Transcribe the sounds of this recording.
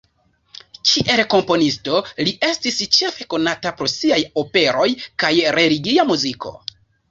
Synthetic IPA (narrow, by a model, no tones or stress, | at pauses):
t͡ʃiʔe̞lko̞mpo̞nisto̞liʔe̞stist͡ʃe̞fe̞ko̞natapɾo̞siajo̞pe̞ɾo̞jkajɾe̞liɡiamuzikʰo̞̰